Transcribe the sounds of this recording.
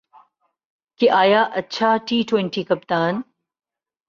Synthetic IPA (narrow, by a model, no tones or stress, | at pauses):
keʔaːjaːʔɐtːt͡ɕʰaʈiːʈwẽɳʈiːkɐp̚t̪aːn